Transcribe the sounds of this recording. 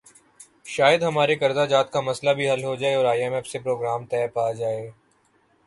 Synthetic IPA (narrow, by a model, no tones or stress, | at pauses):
ʃaːjəd̪ɦɐmaːɾekɐɾd̪ad͡ʒaːt̪kamɐslabʱiɦɐlɦod͡ʒaːeɔːɾaːjɛmɛːfsepɾoːɡɾaːmt̪ɛːpaːd͡ʒaːeː